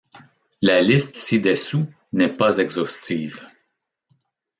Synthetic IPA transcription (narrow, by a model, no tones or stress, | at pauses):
lalɪst̪sid̪esu | nɛpazɛɡzɔst͡siːv